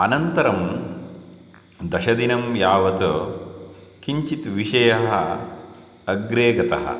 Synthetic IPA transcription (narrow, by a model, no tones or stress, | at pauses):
ɐnɐnt̪ɐɾɐm | d̪ɐʃɐd̪inɐmjaːʋɐt̪o | kiɲt͡ʃit̪ʋiʃɐjɐɦɐː | ɡɾeːɡɐt̪ɐ̰ɦɐ̰